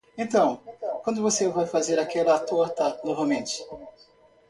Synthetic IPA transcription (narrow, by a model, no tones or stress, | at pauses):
ẽt̪ɐ̃w̃kwɐ̃nd̪ʊvosevajfazeɾakɛlɐːt̪oɾt̪ɐnoɾvamẽnt͡ʃɪ̥